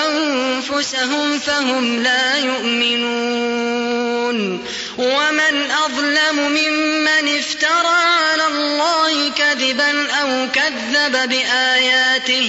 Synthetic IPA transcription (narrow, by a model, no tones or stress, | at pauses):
ʔanfʊsaɦʊmfaɦʊmlaːjʊʔmɪnuː | n | wamɪnʔɑðˤlamʊmɪmːanɪft̪ɑɾˤɑʕalaːlˤːɑːhɪkaðɪbanʔawkaðːababɪʔaːjaːt̪ɪh